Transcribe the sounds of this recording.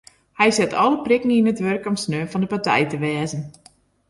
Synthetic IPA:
hɛjsɪtʰɔlˠəprɪkniinətʋørkɔmsnøːnfɔndəpatɛ̰jtəʋɛːzən

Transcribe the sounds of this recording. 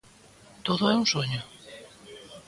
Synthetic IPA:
t̪oðʊɛuŋsoɲʊ

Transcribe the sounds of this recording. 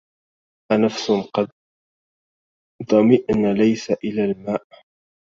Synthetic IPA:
ʔanafsʊqɑd̪̚ | d̪ˤɑmɪʔnalajsaʔɪlaːlmaːʔ

